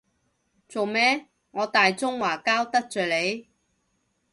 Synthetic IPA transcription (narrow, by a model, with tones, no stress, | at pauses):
t͡so˨wmɛː˥ | ŋɔː˨˧t̪aː˨jt͡sʊ˥ŋwaː˨˩kaː˥wt̪ɐ˥k̚t͡ʃœː˨le˨˧j